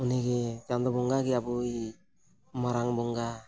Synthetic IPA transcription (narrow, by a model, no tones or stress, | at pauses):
uniɡet̪and̪ɔbɔŋɡaɡiabɯj | maɾaŋbɔŋɡa